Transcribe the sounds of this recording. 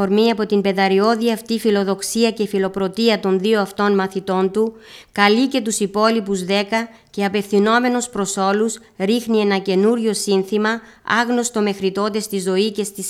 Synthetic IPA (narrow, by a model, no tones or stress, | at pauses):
oɾmiɐpo̞t̪imbe̞ðɐɾio̞ðiɐft̪ifilo̞ðo̞ksiɐce̞filo̞pɾo̞t̪iɐt̪o̞nðioɐft̪o̞nmɐθit̪o̞nt̪u | kɐlice̞t̪usipo̞lipuzðe̞kɐ | ce̞ɐpe̞fθino̞me̞nuspɾo̞so̞lus | ɾixnie̞nɐce̞nuɾʝo̞sinθimɐ | ɐɣno̞st̪o̞me̞xɾit̪o̞t̪e̞st̪izo̞ice̞st̪is